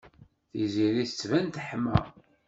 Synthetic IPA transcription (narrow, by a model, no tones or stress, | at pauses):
θiziɾiθə̥t͡sːvænt̪əħmæ̰